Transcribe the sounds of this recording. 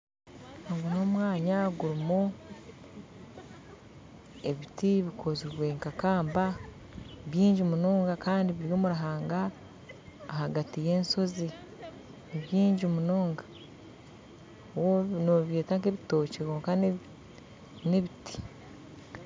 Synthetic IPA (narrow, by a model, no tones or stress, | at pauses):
oŋɡuno̞mwaːɲaɡuɾimu | eβitiβikʰoziβweŋkakaːmba | βjiːɲɟimunoːŋɡakaːndiβiɾjoːmuɾaɦaːŋɡaː | haɡatije̞ːnso̞zi | niβjiːɲɟimunoːŋɡḁ | wonoβe̞ːtaŋkeβito̞ːceɣoːŋka | neβiti̥